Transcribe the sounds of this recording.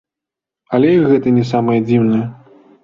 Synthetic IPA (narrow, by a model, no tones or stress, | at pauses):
ɐlʲɛiɣɛt̪ɐnʲɛs̬amɐjɐd͡zʲiwnɐjɐ